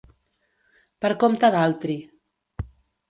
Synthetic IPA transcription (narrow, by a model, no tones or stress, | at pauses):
pəɾkomt̪aðalˠt̪ɾi